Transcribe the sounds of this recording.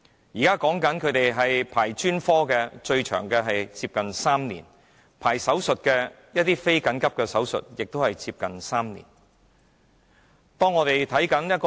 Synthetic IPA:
jiː˨˩kaː˥kɔː˨˥ŋkɐ˨˥nkʰɵ˨˧ɥt̪e˨jɦɐ˨jpʰaː˨˩jt͡ʃyː˥nfɔː˥kɛː˧t͡ʃɵ˧ɥt͡ʃʰœ̰ː˨˩ŋkɛː˧ɦɐ˨jt͡siː˧p̚kɐ˨nsaː˥mnḭː˨˩n | pʰaː˨˩jsɐ˨˥wsɵ˨t̚kɛː˧ | jɐ˥t̚t̪iː˥fe˥jkɐ˨˥nkɐ˥p̚kɛː˧sɐ˨˥wsɵ̰˨t̚jɪ˨k̚t̪o˥hɐ˨jt͡siː˧p̚kɐ˨nsaː˥mnḭː˨˩n | t̪ɔː˥ŋːɔː˨˧t̪e˨jt̪ʰɐ˨˥jkɐ˨˥njɐ˥t̚kː

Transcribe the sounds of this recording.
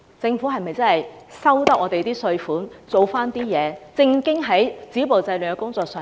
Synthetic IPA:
t͡sɪ˧ŋfuː˨˥ɦɐ˨jmɐ˨jt͡sɐ˥nhɐ˨jsɐ˥wt̪ɐ˥k̚ʔɔː˧t̪e˨jt̪iː˥sɵ˧ɥfuː˨˥nt͡so˨wfaː˥nt̪iː˥jɛː˨˧t͡sɪ˧ŋkɪ˥ŋɦɐ˨˥jt͡siː˨˥po˨wt͡sɐ˧jly˨ŋkɛ˧˥kʊ˥ŋt͡sɔː˧k̚sœː˨

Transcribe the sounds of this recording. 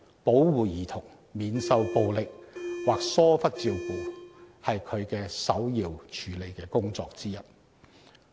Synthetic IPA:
po˨˥wwuː˨jiː˨˩t̪ʰʊ˨˩ŋ | miː˨˧nsɐ˧wpo˧wlɪ˨k̚waː˨k̚sɔː˥fɐ˥t̚t͡siː˧wpuː˨˩hɐ˨jkʰɵ˨˧ɥkɛː˧sɐ˨˥wjiː˨wt͡ʃʰyː˨˥le˨˧jkɛː˧kʊ˥ŋt͡sɔ̰ː˧k̚t͡siː˥jɐ˨˩t̚

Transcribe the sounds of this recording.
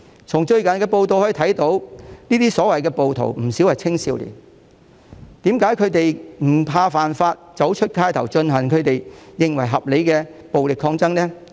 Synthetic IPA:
t͡ʃʰʊ˨˩ŋt͡ʃɵ˧ɥkɐ˨nkɛː˧po˧wt̪o˨˧whɔː˨˥i˧t̪ʰɐ˨˥jt̪o˨˥wniː˥t̪iː˥sɔː˨˥wɐ˨jkɛː˧po˨wt̪ʰo̰˨˩wm̩˨˩si˨˥whɐ˨jt͡sʰɪ˥ŋsiː˧wlḭː˨˩n | t̪iː˨˥mkaː˨˥jkʰɵ˨˧ɥt̪e˨jm̩˨˩pʰaː˧faː˨˩nfaː˧t̚t͡sɐ˨˥wt͡ʃʰɵ˥t̚kʰaː˧˥jt̪ʰɐ˨˩wt͡ʃɵ˧nhɐ˨˩nkʰɵ˨˧ɥt̪e˨jjɪ˨ŋwɐ˨˩jɦɐ˨p̚le˨˧jkɛː˧po˨wlɪ˨kʰːɔː˧ŋt͡sɐ˥ŋnɛː˥

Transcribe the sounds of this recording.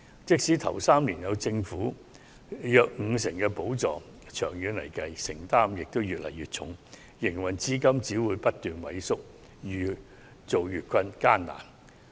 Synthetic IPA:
t͡sɪ˥k̚siː˨˥t̪ʰɐ˨˩wsaː˥mliː˨˩njɐ˨˧wt͡sɪ˧ŋfuː˨˥ | jœː˧k̚ŋ̩˨˧sɪ˨˩ŋkɛː˧po˨˥wt͡sɔː˨ | t͡ʃʰœː˨˩ŋjyː˨˧nlɐ˨˩jkɐ˨˧jsɪ˨˩ŋt̪aː˥mjɪ˨k̚t̪o˥wjyː˨t̚lɐ˨˩jyː˨t̚t͡ʃʰʊ̰˨˥ŋ | jɪ˨˩ŋwɐ˨nt͡siː˥kɐ˥mt͡siː˨˥wuː˨˧jpɐ˥t̚t̪yː˨nwɐ̰˨˥jsʊ˥k̚ | jyː˨˩ | t͡so˨wjyː˨t̚kʷʰɐ˧nkaː˥nna̰ː˨˩n

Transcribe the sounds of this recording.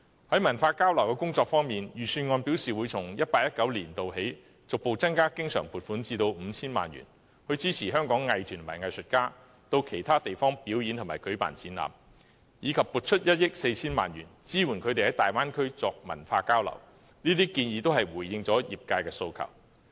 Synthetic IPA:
hɐ˨˥jmɐ˨˩nfaː˧kaː˥wlɐ˨˩wkɛː˧kʊ˥ŋt͡sɔː˧k̚fɔː˥ŋmiː˨njyː˨˩syː˧nŋɔː˧npiː˨˥wsiː˨wuː˨˧jt͡sʰʊ˨˩ŋjɐ˥t̚paː˧k̚jɐ˥t̚kɐ˨˥wliː˨˩nt̪o˨wɦe˨˥j | t͡sʊ˨k̚po˨˧wt͡sɐ˥nkaː˥kɪ˥ŋsœ̰ː˨˩ŋpʰuː˨˩t̚fuː˨˥nt͡siː˧t̪o˧wm̩ː˨˧t͡sʰiː˥nma̰ː˨nɥy̰˨˩n | hɵ˧ɥt͡siː˥t͡sʰiː˨˩ɦœː˥ŋkɔː˨˥ŋːɐ˨jt̪ʰyː˨˩nmɐ̰˨˩jŋɐ˨˩jsɵ˨t̚kaː˥ | t̪o˧wkʰe˨˩jt̪ʰaː˥t̪e˨jfɔː˥ŋpiː˨˥wji˨˧nt̪ʰmaː˨˩jkɵ˨˥ɥpa̰ː˨nt͡siː˨˥nla̰ː˨m | jiː˨˧kʰɐ˨pːuː˨˩t̚t͡ʃʰɵ˥t̚jɐ˥t̚jɪ˥k̚se˧jt͡sʰiː˥nma̰ː˨njy̰ː˨˩nt͡siː˥wuː˨˩nkʰɵ˨˧t̪e˨jhɐ˨˥jt̪aː˨jwaː˥nkʰɵ˥ɥt͡sɔː˧k̚mɐ̰˨˩nfaː˧kaː˥wlɐ̰˨˩w | niː˥t̪iː˥kiː˧njiː˨˧t̪o˥wɦɐ˨jwuː˨˩jːɪ˧ŋt͡sɔː˨˥jḭː˨p̚kaː˧jkɛː˧so˧wkʰɐ̰˨˩w

